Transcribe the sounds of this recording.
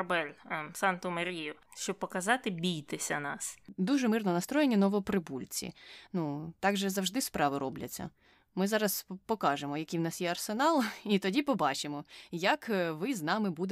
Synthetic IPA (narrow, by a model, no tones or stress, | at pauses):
ɐbɛlʲsɑnt̪ʊmɐɾʲijʊʃt͡ʃɔb̚pɔkɐzɑt̪ɪbʲijt̪ɪsʲɐnɑsd̪uʒɛmɪrnɔnɐst̪ɾɔjenʲːɐnɔʋɔpɾɪbulʲt͡sʲḭnut̪ɑɡʒɛzɐwʒd̪ɪspɾɑʋɪɾɔblʲɐ̰t͡sʲːɐ̰ | mɪzɑɾɐspɔkɑʒemɔjɐkijwnɑsjɛɐrsenɑlˠit̪ɔdʲipɔbɑt͡ʃɪmɔjɐkʋɪznɑmɪbud̪e